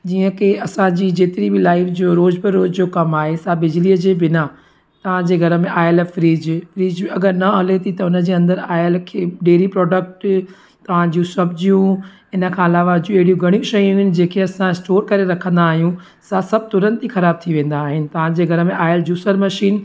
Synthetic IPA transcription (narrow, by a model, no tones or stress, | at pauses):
d͡ʑiːə̃keɐsãd͡ʑiːd͡ʑeːt̪ɪɾibɪlaːɪfd͡ʑoːɾoːd͡ʑbɪɾoːd͡ʑd͡ʑoːkɐmaːɦesabɪd͡ʑliəd͡ʑeːbɪna | t̪ɐʋ̤ãd͡ʑeːɡʱɐɾə̆mẽʔaːɪlfɾiːd͡ʑfɾiːd͡ʑɐɡəɾnɐɐlet̪ʰit̪ɐʊnə̆d͡ʑeːɐ̃nd̪əɾaːɪəlkʰeːɖeːɾipɾɔːɖək̚ʈ | t̪ɐʋ̤ãd͡ʑũsɐbʱɪd͡ʑijũ | ɪnə̆kʰãɐlaːʋad͡ʑũeɦɪɽijũɡʱɐɽ̃ijũʃɐjũʊɦɪnɪ̆d͡ʑeːkʰeɐsãɪsʈoːɾkɐɾeɾɐkʰə̃nd̪aːɦijũ | sasɐb̚ʱt̪ʊɾə̃nt̪ixɐɾaːb̚t̪ʰiʋẽːn̆d̪aːɦɪnɪ̆t̪ɐʋ̤ãd͡ʑeːɡʱɐɾə̆mẽʔaːjɪəld͡ʑuːsəɾmɐʃiːn